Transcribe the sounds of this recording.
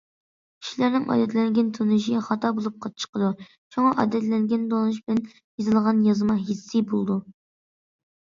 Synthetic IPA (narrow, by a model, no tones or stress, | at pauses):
kʲʰi̥ʃlæɾnɪŋʔɑ̰d̪ɛt̪lɛŋɡʲɛnt̪ʰunɨʃiχɑt̪ɑbolˠup̚qʰɑt͡ʃʰə̥qʰəd̪u | t͡ʃʰoŋɑʔɑ̰d̪ɛt̪lɛŋɡʲɛnd̪olˠnɨʃ̬bɪlɛn | jezɨlˠʁɑnjɑzɨmɑɦisːɨbolˠd̪u